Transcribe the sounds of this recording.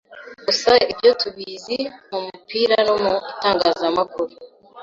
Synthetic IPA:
ɡusaibɟo̞tuβiːzimumupiːɾano̞mutaːŋɡaːzamakuɾu

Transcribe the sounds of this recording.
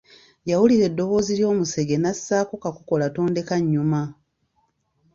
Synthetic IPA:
jawuliɾe̞dːo̞βo̞ːziljo̞ːmuse̞ɡe̞nasːaːkokakuko̞lato̞ːnde̞kaɲːuma

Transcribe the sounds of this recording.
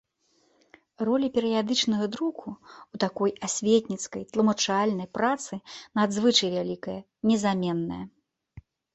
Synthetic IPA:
rɔlʲipʲɛɾɨjad̪ɨt͡ʂnɐɣɐd̪ɾukuut̪akɔjasʲvʲet̪ʲnʲit̪skɐjt̪lˠɐmɐt͡ʂalʲnɐjpɾat̪sɨnad̪zvɨt͡ʂɐjvʲalʲikɐjɐ | nʲɛzamʲɛnːɐ̰jɐ

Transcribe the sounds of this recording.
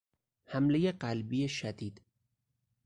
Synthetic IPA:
hæmlejeɢælbijeʃæd̪iːd̪̥

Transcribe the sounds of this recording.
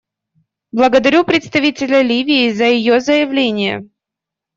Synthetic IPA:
blˠəɡəd̪ɐɾʲupɾʲɪt̪st̪ɐvʲitʲɪlʲəlʲivʲɪːzəjɪjozəjɪvlʲenʲɪjə̰

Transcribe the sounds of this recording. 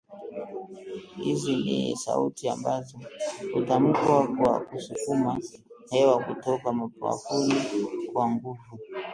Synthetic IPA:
hizinḭsa̰ṵtia̰mbazɔkutam̩kwakwa̰kusukuma | hɛwakutɔkamapa̰fulikwaŋɡuvu

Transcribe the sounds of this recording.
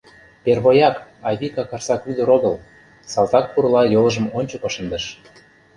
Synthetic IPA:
perβojɑkɑβʲikɑkɑrsɑkyd̪ə̆ɾoɣɤ̆l | sɑlt̪ɑk̚puɾɤlɑjolɤ̆ʒə̆monʲt͡ɕokoʃə̆nd̪ə̆ʃ

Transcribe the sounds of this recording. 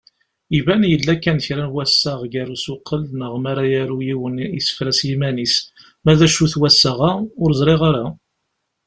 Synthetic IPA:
ivænjəlːækːænçɾænwæsːəʁɡaɾusʊqʰːəlnəʁmaɾajaɾujiwənḭsə̥fɾæsjimænis | mæðæʃuθwæsːəʁaʊɾzˤɾˤiʁaɾa

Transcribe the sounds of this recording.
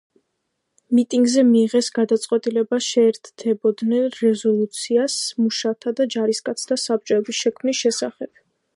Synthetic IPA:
mit̪ʼiŋɡzɛmiːʁɛsɡad̪at̪sʼqʼwɛt̪ʼilɛbaʃɛːɾt̪ʰd̪ʰɛbɔd̪nɛnɾɛzɔlˠut̪sʰiasmuʃat̪ʰad̪ad͡ʒaɾiskʼat̪sʰd̪asap̚t͡ʃʼɔɛbisʃɛkʰmnisʃɛsaχɛb̥̚

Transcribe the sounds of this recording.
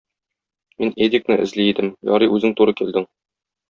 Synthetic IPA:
mined̪ʲik̚nɘʔɘ̆zliːd̪ɘmjɒ̰ɾɤʔʉzɘŋt̪uɾɤkild̪ɘŋ

